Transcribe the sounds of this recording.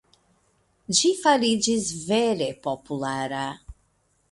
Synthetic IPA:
d͡ʒifaɾid͡ʒisveɾepopulaɾa

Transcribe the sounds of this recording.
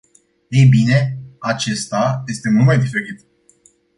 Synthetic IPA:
ejbine̞at͡ʃe̞st̪aje̞st̪e̞mult̪majd̪ifeɾit̪

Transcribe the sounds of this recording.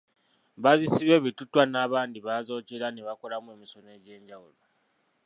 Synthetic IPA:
βazisiβe̞βitutwanaːβaːndiβazo̞ːcelaneβako̞lamwe̞ːmiso̞ne̞ɟe̞ːɲɟawulo

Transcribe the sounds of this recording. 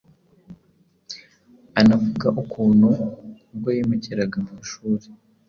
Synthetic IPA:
anavuɡaʔukʰuːnhu | ɡojemeceɾaɡamuuʃuːɾe

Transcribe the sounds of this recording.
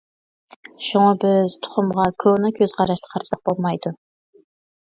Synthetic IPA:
ʃuŋɑbɪz̥t̪ʰʊ̥χʊmʁɑkʲʰøwnɪkʲʰøzqʰɑɾɑʃt̪ʰɑ̥qʰɑɾsɑq̚b̥olˠmɑjd̪u

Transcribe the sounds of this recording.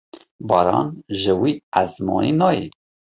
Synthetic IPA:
bɑːɾɑ̰ːnʒəwiːæzmɑ̰ninɑːji

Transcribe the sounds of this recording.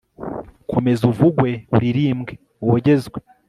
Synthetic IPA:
kʰo̞me̞zuvuɡwe̞uɾiɾiːmɡe̞ | woɟe̞zɡwe̞

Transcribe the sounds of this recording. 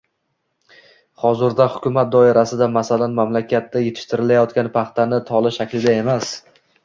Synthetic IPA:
χɒzɪɾd̪ahʊkʲʊmat̪̚d̪ɒɪɾasɪd̪amasalanmamlakʲat̪ːajet̪ʰɪ̥ʃt̪ɪɾɪlajɒt̪̚kʲanpʰɑχt̪anɪt̪ʰɒlˠɪʃakʲlɪd̪ae̞mas

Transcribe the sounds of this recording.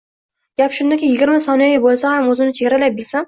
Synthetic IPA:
ɡ̥ʲapʃʊnd̪akʲɪjɪɡʲɪɾmasɒnɪjɔjbolˠsahamɵzɪnɪt͡ʃʰeɡʲaɾalap̚bɪlsa

